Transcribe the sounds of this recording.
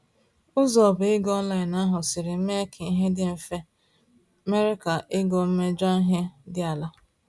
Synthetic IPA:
ʊ˦zɔ˨bʊ˨ɪ˦ɡɔ˦n˦la˨ɪ˨na˦ɦʊ˨sɪ˨ɾɪ˨m̩˦me˦kʰi˦ɦe˦dɪ˦m̩˨fe˦ | me˦ɾɪ˦ka˨ʔɪ˦ɡɔ˨m̩˦me˦d͡ʒa˦ɦe˦dɪ˦a˨la˦

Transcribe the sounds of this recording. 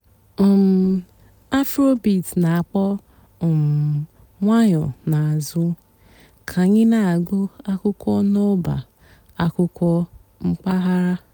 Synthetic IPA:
m̩˨ | a˦fɾo˦bi˨tna˨a˨k͡pɔ˦˨ | m̩˨ | ŋʷa˦ɲɔ˨na˨a˨zʊ˦ | kʰa˨ɲɪ˦na˨a˨ɡu˦a˦kʊ˦kʷɔ˦no˦ba̰˨ | a˦kʊ˦kʷɔ˦ | ŋ͡m̩˦k͡pa˦ɦa˦ɾa˦

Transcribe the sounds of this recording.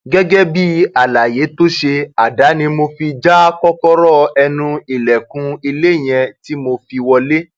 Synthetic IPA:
ɡɛ˦ɡɛ˦bi˦a˨la˨je˨˦to˦ʃe˧a˨da˨˦nĩ˧mo˧fi˧d͡ʒa˦kɔ˦kɔ˦ɾɔ˦˨ɛ˧nũ˧i˨lɛ˨kũ˨˧i˧le˦˨j̃ɛ̃˧ti˦mo˧fi˧wɔ˧le˦

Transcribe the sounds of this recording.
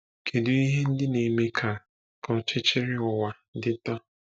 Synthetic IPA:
kʰe˨du˨i˦ɦe˦n̩˦dɪ˦ne˨me˦kʰa˨ | kɔ˨t͡ʃɪ˦t͡ʃe˦ɾɪ˦ɔ˨wa˨˦dɪ˦ta˦

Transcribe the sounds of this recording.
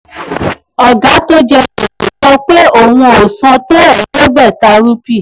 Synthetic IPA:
ɔ˨ɡa˨˦to˦d͡ʒɛ˧ko˨ku˨tɔ˦k͡pe˦o˦˨w̃ũ˧o˨sã˧to˦ɛ˨to˦ɡ͡bɛ˦˨ta˧ɾu˦pi˦˨

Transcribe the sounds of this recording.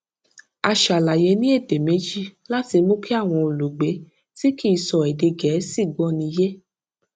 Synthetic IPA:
a˧ʃa˨la˨je˨˦nĩ˦e˦˨de˨me˨˦d͡ʒi˦la˦ti˧mũ˦kʰi˦a˦˨w̃ɔ̃˧o˨lu˨ɡ͡be˨˦ | ti˦ki˦i˧sɔ˨ɛ˨de˧ɡɛ˨˦si˦˨ɡɔ˦nĩ˧˦je˦

